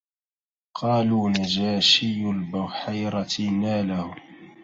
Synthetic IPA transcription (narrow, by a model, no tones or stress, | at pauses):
qʰɑːluːnad͡ʒaːʃɪjʊlbʊwħajɾˤɑt̪ɪnaːlahʊ